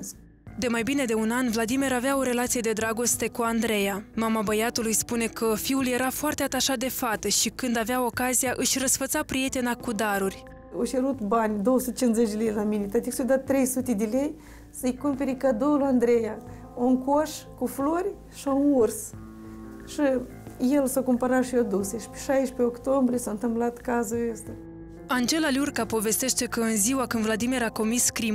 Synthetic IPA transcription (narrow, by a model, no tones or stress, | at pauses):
d̪e̞majbine̞d̪e̞unanvlad̪imeɾaveao̞ɾe̞lat̪sije̞d̪e̞d̪ɾaɡo̞st̪e̞kuand̪ɾe̞jamamabəjat̪ulujspune̞kʰəfiulje̞ɾafoart̪e̞at̪aʃat̪̚d̪e̞fat̪əʃikɨnd̪aveao̞kazijaʔɨʃʲrəsfət̪sapɾije̞t̪e̞nakud̪aɾurʲ | oʃeɾut̪banʲd̪owəsut̪et͡ʃinzet͡ʃʲd̪ʲelejlaminet̪at̪iksujd̪at̪ːɾe̞jsut̪ed̪ele̞j | səɨjkumpe̞ɾikad̪oluand̪ɾeja | oŋkoʃkuflorʲ | ʃionurs | ʃi | je̞lsakumpaɾaʃiad̪useʃpe̥ʃajʃpeokt̪ombɾijesaɨnt̪ɨmplat̪kazuəst̪ʲa | and͡ʒe̞lalurkapo̞ve̞st̪e̞ʃt̪e̞kəɨnziwakɨnd̪vlad̪imiɾako̞miskɾim